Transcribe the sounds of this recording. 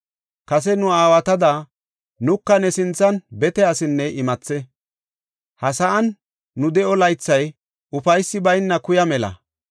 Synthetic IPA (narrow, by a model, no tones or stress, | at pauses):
kɐs̬ɛnʊaːwɐt̪ɐd̪ɐ | nʊkːɐnɛsɪnt͡sːɐnbɛt̪ɛɐsɪnːɛʔɪmɐt͡sːɛ | hɐsɐʔɐnː | ʊd̪ɛʔɔlɐjt͡sːɐj | ʊfɐjsːɪbɐjnːɐkʊjɐmɛlɐ̰